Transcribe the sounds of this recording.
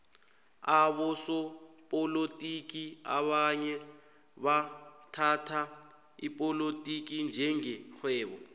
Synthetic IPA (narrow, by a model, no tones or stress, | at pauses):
aɓɔsɔpʼolotʼik̬ʼia̰ɓaɲɛ | ɓatʰatʰa | ḭpʼolotʼik̬ind͡ʒʱɛŋɛxwɛːɓɔ